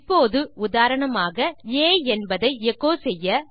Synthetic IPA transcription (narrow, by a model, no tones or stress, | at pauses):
pːoːðɯʊðaːɾɐɳɐmaːɣɐeːɛnbɐðɐɪɛɣoːsɛjːɐ